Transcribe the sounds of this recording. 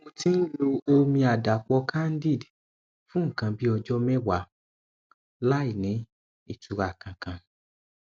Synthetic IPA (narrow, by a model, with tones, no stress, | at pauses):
ũ˧ti˦n̩˦lo˧o˧mĩ˧a˨da˨k͡pɔ˧kʰa˦n̩˦di˦˨d | fũ˦ŋ̩˦˨kã˧bi˦ɔ˧d͡ʒɔ˦mɛ˦wa˨˦ | la˦i˦˨nĩ˨˦ | i˦˨tu˨˧ɾa˨kã˧kã˧